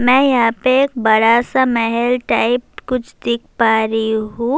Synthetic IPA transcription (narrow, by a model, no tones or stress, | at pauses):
mɛ̃ːjɐɦãpeeːk̚bɐɽasamɛɦɛlʈaːɪp̚kʊt͡ʃʰd̪ɪkʰpaːɾiɦũː